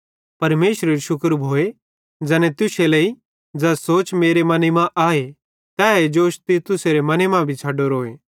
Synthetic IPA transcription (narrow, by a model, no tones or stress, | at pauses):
pɐɾmeːʃɾeɾiʃʊkəɾbʱoːe | d͡zɛːnet̪ʊseləi | d͡zɛːsoːt͡ʃmeːɾemɐnimãʔaːe | t̪ɛːed͡ʒoːʃt̪it̪ʊseɾemɐnemãbʱit͡ʃʰaːɖoɾoːeː